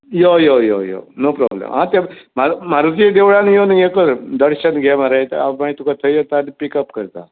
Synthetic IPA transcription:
jojojo̰jo̰nopɾɔ̰blḛmɦãt̪am̤am̤aɾud͡zd̪eʋɭanjonuekəɾd̪əɽɕənɡʱamaɾajet̪a̰mait̪ukat̪ʰəjot̪anipikəpkəɾt̪a̰

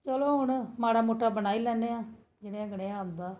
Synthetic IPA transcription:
t͡ʃəloːɦʊɳmaːɽaːmoːʈːaːbənaːiːlɛːneːãː | d͡ʒɪnẽãːɡəɽeːaːnd̪aː

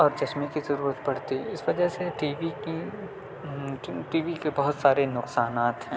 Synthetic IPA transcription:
ɔːɾd͡ʒɐsmikizɐɾuːɾət̪bɐɽ̤t̪iɪsʋɐd͡ʒəɦseʈiːʋiki | ʈiːʋikebɐɦʊt̪saːɾenʊqsaːnaːt̪ɦɛ̃ː

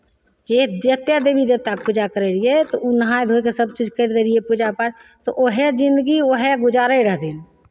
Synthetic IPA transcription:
d͡ʒed̪ət̪jad̪ebid̪ebt̪akpud͡ʒakəɾeɾiet̪ounəɦãjd̪ʱokesəb̚t͡ʃid͡ʒkəɾd̪eɾiepud͡ʒapəɾt̪oʔoɦed͡ʒɪ̃nd̪əɡioɦeɡʊd͡ʒaɾəiɾəɦd̪il

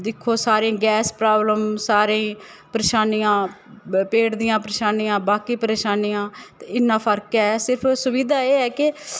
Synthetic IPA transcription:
d̪ɪkʰːoːsaːɾẽːɡɛːspɾaːbləmsaːɾẽː | pəɾeːʃaːnijãː | peːɽd̪ɪjãːpəɾeːʃaːnijãːbaːkiːpəɾeːʃaːnijãːt̪eɪnːãːpʰəɾkɛɛsɪɾpʰsʊʋiːd̪aːeːɦɛːkɪ

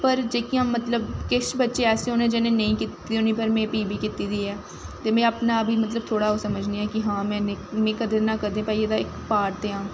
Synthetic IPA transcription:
pəɾd͡ʒeːkiaːmːət̪ləbkɪʃbətːʃeːɛːseːɦoːnẽːd͡ʒenẽːnəĩːkit̪ːd̪iʊnĩːpəɾmɛ̃ːpiːbiːkit̪iːd̪iːɛː | t̪eːmɛ̃ːəpnaːəbʱiːmət̪ləb̚t̪ʰoːɽaːoːsəməd͡ʒniːɛːkɪɦãːmɛ̃ːnemẽːkəd̪eːnãːkəd̪ẽːpaːied̪aːɪkpaːɾt̪eːãː

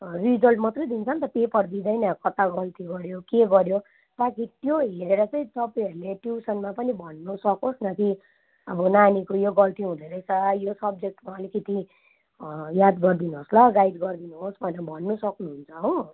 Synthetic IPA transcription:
rid͡zʌlʈmʌt̪rʌd̪int͡sʰʌnt̪ʌpepʌrd̪id̪ʌjnakʌt̪aɡʌlt̪iɡʌɾjokeɡʌɾjo | t̪akit̪joɦeɾeɾʌt͡sʌj̃t̪ʌpaj̃ʌɾuleʈjusʌnmapʌnibʱʌnːusʌkosnat̪i | ʌbʌnanikojoɡʌlt̪iɦũd̪ʌɾʌjt͡sʰʌjosʌb̚d͡zek̚ʈmaʌlikʌt̪i | jad̪ɡʌrd̪inuɦoslʌɡajɖɡʌrd̪inuɦosbʱʌnebʱʌnːusʌknuɦunt͡sʰʌɦow

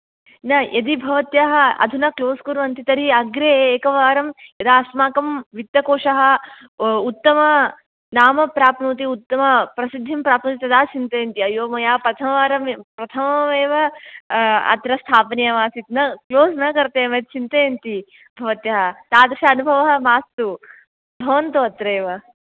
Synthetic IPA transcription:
nɐjʔɐd̪ibʱɐʋɐt̪jaɦɐ̆ɐ̰d̪ʱunɐkloːskuɾʋɐnt̪it̪ɐɾiɐɡɾeeːkɐʋaːɾɐmjɐd̪aːsmaːkɐmʋit̪jɐkoːʂɐɦɐ̆ | ut̪ːɐmɐ | naːmɐpɾaːpnuːt̪̬iut̪ːɐmɐpɾɐsid̪ʱːimpɾaːpnut̪it̪ɐd̪aːt͡ʃint̪ɐjɐnt̪iɐjoːmɐjaːpɾɐt̪ʰɐmɐʋaːɾɐmpɾɐt̪ʰɐmɐʋeːʋɐ | ɐ̰t̪ɾɐst̪ʰaːpɐnijɐmaːsit̪nɐkloːsnɐkɐɾt̪eːmeːt̪̚t͡ʃʰint̪ɐjɐnt̪i | bʱɐʋɐt̪jɐɦɐt̪aːd̪ɐʃɐɐnubʱɐʋɐɦɐ̆maːst̪u | bʱɐʋɐnt̪uɐt̪ɾɐeːʋɐ

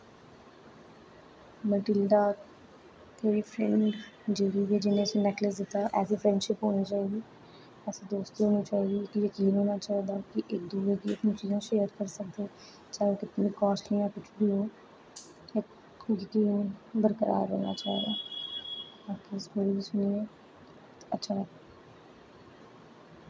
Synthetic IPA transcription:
məʈɪlɖ̪aː | t̪eːiːpʰɾɛ̃ɳɖd͡ʒeːɾiːʋeːd͡ʒɪnẽːəsĩːnɛkləsd̪ɪt̪ːaːʔɛːseːpʰɾɛ̃ɳɖʃɪpɦoːniːt͡ʃaːiɡiː | ɛːsed̪oːst̪iːɦoːniːt͡ʃaːiːɡiːɪkjəkiːnɦoːnaːt͡ʃaːd̪aːkɪʔɪk̚d̪uːʋeːkiət̪nĩːt͡ʃiːzãːʃeːəɾkəɾsəkd̪eː | t͡ʃaːoːkɪt̪nĩːkɔːʃlijãːkʊt͡ʃʰbiːɦoː | ɪk | jəkiːnbəɾkəɾa̰ːɾɦo̰ːna̰ːt͡ʃa̰ːɦd̪a̰ː | aːkiɪskoːɾiːbiːsʊniːɛː | t̪ətːʃʰaːɛ

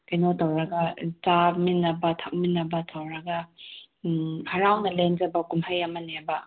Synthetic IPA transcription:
kɐjnotɐwɾɐɡɐt͡ʃaminːɐbɐtʰɐk̚minːɐbɐtʰawɾɐɡɐ | hɐɾawnɐlend͡ʒɐbɐkumhɐjɐmɐnebɐ

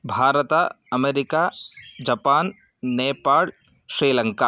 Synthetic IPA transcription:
bʱaːɾət̪a | ɐmeːɾɪkad͡ʒɐpaːn | neːpaːl | ʃɾiːlɐ̃ŋka

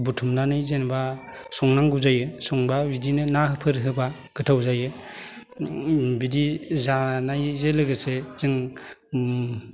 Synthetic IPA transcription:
butʰumnanajzenba | sɔŋnaŋɡuzajɯsɔŋbabidinɯnaɦɯpʰɯɾɦɯba | ɡ̥ɯtʰawzajɯ | bidizanajzelɯɡɯsez̥ɯŋ

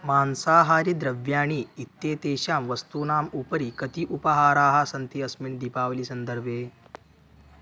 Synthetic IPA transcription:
maːnsaːɦaːɾid̪ɾɐʋjaːɳ̃iːt̪ːeːt̪eːɕaːmʋɐst̪uːnaːmupəɾikɐt̪iʔupɐɦaːɾaːɦasɐnt̪iɐsmiɳd̪ipaːʋliːsɐnd̪əɾbʱeː

